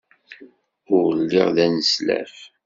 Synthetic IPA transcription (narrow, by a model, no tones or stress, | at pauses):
ʊʁlːiɪ̰ʁðænəslæ̰f